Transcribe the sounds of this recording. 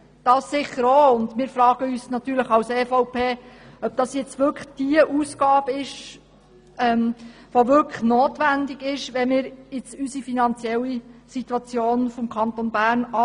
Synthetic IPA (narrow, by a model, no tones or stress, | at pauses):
d̥ɑːssɪχːəɾoːʊndmɪːɾfɾɑːɡ̥əyːsnɑt̪yːɾləχɑwseːfɔʊpʰeːœb̥̚d̥ɑsjɪt͡sʋʏɾkd̥iəʔuːsɡ̥ɑːb̥əɪʃ | ʔɛm | ʋoʋʏkʰə̥χnoːtʋændɪɡɪʃʋɛmɪːɾɪt͡sysifinɑnt͡sjɛlːisit̪wɑt͡sjoːnfɔmkʰɑnt̪onbæːɾnɑ